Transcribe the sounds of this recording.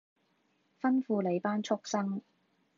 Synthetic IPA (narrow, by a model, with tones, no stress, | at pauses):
fɐ˥nfuː˧le˨˧jpaː˥nt͡ʃʰʊ˥k̚sɐ˥ŋ